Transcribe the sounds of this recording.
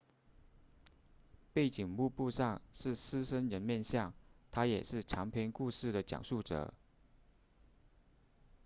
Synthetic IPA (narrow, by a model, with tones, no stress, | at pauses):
pe˥˩ɪt͡ɕi˨˩ŋmu˥˧pu˥˧ʂɑ˥˧ŋʂɻ̩˥˩sɹ̩˥ʂə˥nɻə˧˥nmjɛ˥˧nɕjɑ˥˩ŋt̪ʰa˥jɛ̰˨˩ʂɻ̩˥˩ʈ͡ʂʰɑ˧˥ŋpʰjɛ˧˥nku˥˧ʂɻ̩˥˩d̪ə˩t͡ɕjɑ̰˨˩ŋʂu˥˩ʈ͡ʂɤ̰˨˩˦